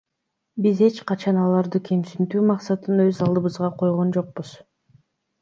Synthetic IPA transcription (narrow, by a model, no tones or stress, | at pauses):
bize̞t͡ʃqɑt͡ʃɑnɑlˠɑɾd̪ɯkʰe̞msynt̪yːmɑqsɑt̪ɯnøzɑlˠd̪ɯβɯzʁɑqʰo̞jʁo̞nd͡ʒo̞q̚buz̥